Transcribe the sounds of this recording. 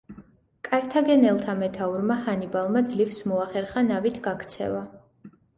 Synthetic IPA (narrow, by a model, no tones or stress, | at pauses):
kʼaɾt̪ʰaɡɛnɛlˠt̪ʰamɛt̪ʰauɾmahanibalˠmad̪zlifsmɔaχɛɾχanavit̪ʰɡakʰt̪sʰɛ̰va